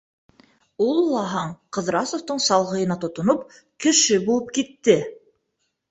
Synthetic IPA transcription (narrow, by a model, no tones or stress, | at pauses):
ulˠːɑɦɑɴqɤ̆ðɾɑsowt̪ɤɴsɑlˠʁɤ̆jɤ̆nɑt̪ŏt̪ŏnop̚ | kɘ̆ʃɘbulˠɤp̚kit̪ːɘ